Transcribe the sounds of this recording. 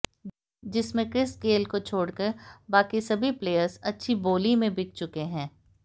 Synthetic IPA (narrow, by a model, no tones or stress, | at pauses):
d͡ʒɪsmẽkɾɪskeːlkot͡ʃʰoːɽkɐɾbaːkisɐbʱipleːjəɾzɐtːʃʰiboːlimẽbɪk̚ʰt͡ʃʊkeɦɛ̃ː